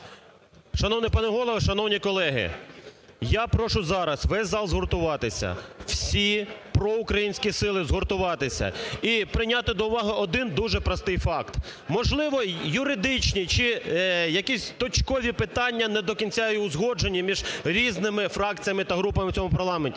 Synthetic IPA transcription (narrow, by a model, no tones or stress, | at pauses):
ʃɐnɔwnɪjpɑnɛɦɔlˠɔʋɐʃɐnɔwnʲikɔlˠɛɦɪ̰ | japɾɔʃʊzɑɾɐsʋɛsʲzɑlˠzɦɔrt̪ʊʋɑt̪ɪsʲɐ̰w̥sʲipɾɔʊkɾɐjinʲsʲkʲisɪlˠɪzɦɔrt̪ʊʋɑt̪ɪsʲɐ̰ipɾɪnʲat̪ɪd̪ɔʊʋɑɦɪʔɔd̪ɪnd̪uʒɛpɾɐst̪ɪjfɑkt̪mɔʒlˠɪʋɔjʊɾɪd̪ɪt͡ʃnʲit͡ʃɪjɐkʲisʲt̪ɔt͡ʃkɔʋʲipɪt̪ɑnʲːɐnɛd̪ɔkʲinʲt͡sʲajʊʊzɦɔd͡ʒenʲːimʲiʒɾʲiznɪmɪfɾɑkt͡sʲijɐmɪt̪ɐɦɾupɐmɪt͡sʲɔmʊpɐrlˠɑmenʲtʲi